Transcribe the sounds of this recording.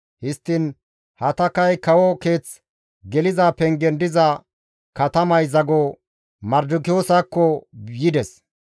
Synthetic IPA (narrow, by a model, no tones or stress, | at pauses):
hɪst̪ːɪn | hɐt̪ɐkɐjkɐwɔke̞ːt͡s | ɡɛlɪzaːpɛŋɡɛnd̪ɪzɐ | kɐt̪ɐmɐjzɐɡo | mɐɾd̪ʊkɪjoːsakːɔjɪd̪ɛs